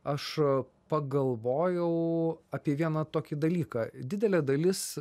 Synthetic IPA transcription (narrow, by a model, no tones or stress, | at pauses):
ɐʃ | pɐɡɐlˠʋoːjɛʊɐpʲiɛʋʲiɛnɐt̪oːkʲɪd̪ɐlʲiːkɑːd̪ʲɪd̪ʲɛlʲɛːd̪ɐlʲɪs